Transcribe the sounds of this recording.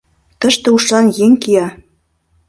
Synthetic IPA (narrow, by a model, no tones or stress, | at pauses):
t̪ə̆ʃt̪ĕuʃɑnjeŋkijɑ